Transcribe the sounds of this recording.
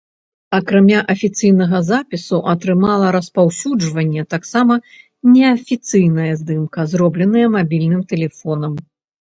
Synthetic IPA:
ɐkɾamʲaʔɐfʲit̪sɨjnɐɣɐzapʲisuʔɐt̪ɾɨmalˠɐɾɐspawsʲud͡ʐvɐnʲːɛt̪aksamɐ | nʲɛɐfʲit̪sɨjnɐjɐzd̪ɨmkɐzɾɔblʲɛn̪ɐjɐmabʲilʲnɨmt̪ɛlʲɛfɔnɐm

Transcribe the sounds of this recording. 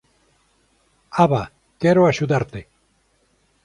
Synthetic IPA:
aβa | keɾoaʃuðaɾt̪e

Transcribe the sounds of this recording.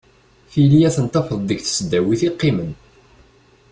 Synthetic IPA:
θilijæθənt̪ˤːɑfəðˤd̪əɡθə̥sd̪ːæwiθiqːimən

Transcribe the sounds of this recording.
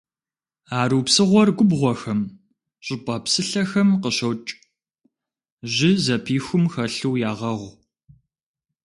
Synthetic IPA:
aːɾuːpsɨʁʷɔrɡʷʊbʁʷɔxɐm | ɕʼɪpʼɐpsɨɬɐxɐmqəɕɐwt͡ʃʼ | ʑɪzɐpʰiːxʷʊmxɐɬuwjaːʁɐʁʷ

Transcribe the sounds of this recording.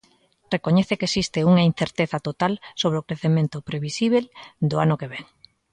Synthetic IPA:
rekoɲɛθekesist̪euŋɐin̟θeɾt̪eθɐt̪ot̪alsoβ̞ɾeokɾeθemẽnt̪opɾeβisiβ̞eld̪oanʊkeβɛŋ

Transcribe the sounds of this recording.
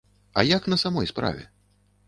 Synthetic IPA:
ɐ̰jaknɐsamɔjspɾa̰vʲɛ̰

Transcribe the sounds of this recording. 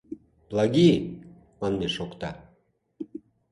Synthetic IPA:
blˠɑɡi | mɑnːeʃokt̪ɑ̰

